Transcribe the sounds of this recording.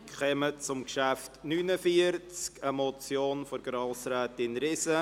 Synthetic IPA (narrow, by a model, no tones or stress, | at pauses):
kχɛmət͡sʊmkʃæftnynəfiəɾt͡skəmɔt͡sjoːnfɔɾɡ̥ɾɑlsɾɛːtɪnɾɪsə